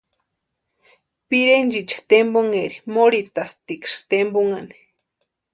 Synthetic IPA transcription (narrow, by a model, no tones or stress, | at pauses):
piɾend͡ʒit͡ʃḁt̪emboŋeɾimoɾit̪ast̪ikʂt̪emboŋani̥